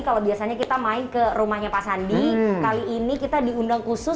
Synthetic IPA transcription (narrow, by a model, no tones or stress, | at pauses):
kalabiasaɲakit̪amaɪnkərumahɲapasandikaliʔːnikit̪adiundaŋkusʊ